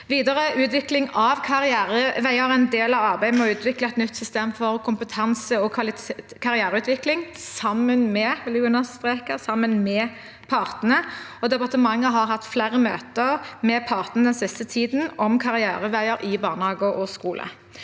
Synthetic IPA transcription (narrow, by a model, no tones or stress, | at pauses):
ʋiːd̪əʁəʉːt̪ʋɪklɪŋɑʋkʰɑʁɪæːɾəʋæɪəɾɛɪnd̪eːlɑʋɑʁbæɪmɔʉːt̪ʰʋɪkləɛt̪nʏt̪ːsʏst̪eːmfɔʁkʰʊmpət̪ʰɑnsəɔkʰʋɑlɪt̪ | kʰɑʁɪæːɾəʉːt̪ʰʋɪklɪŋsɑmənmɛlɪɡʉnɑst̪ʁeːkəʁsɑmːənmɛ | pʰɑʁt̪ən̩əɔd̪ɛpɑʁt̪əmɑŋːəɦɑʁɦɑt̪ːflæːʁəmøːt̪əʁmɛpʰɑːʁt̪ən̩əd̪ɛnsɪst̪ət̪ʰiːd̪n̩ɔmkʰɑɾɪæ̰ːɾəʋæɪəɾʔɪbɑːʁnəhɑːɡʊʔɔskuːlʔə̰